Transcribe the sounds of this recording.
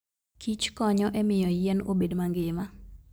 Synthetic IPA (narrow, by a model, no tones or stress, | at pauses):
kʰit͡ʃkɔɲɔʔɛmɪjɔjɛnobedmaŋɡɪma